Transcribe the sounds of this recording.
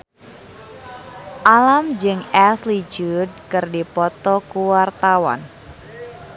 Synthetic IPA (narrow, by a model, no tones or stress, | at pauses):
ʔalamd͡ʒɨŋɛslid͡ʒud̚kɨrdipɔt̪ɔkuwart̪awa̰n